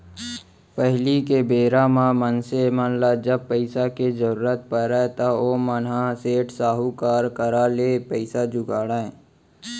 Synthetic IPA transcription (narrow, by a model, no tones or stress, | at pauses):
pəɦlikebeːɾamãmənsemənlad͡ʒəb̚pəɪsaked͡ʒəɾuːɾət̪̚pəɾat̪aoːmənaseːʈsaːɦukaːɾkəɾaleːpəɪsad͡ʒʊɡaːɽaẽ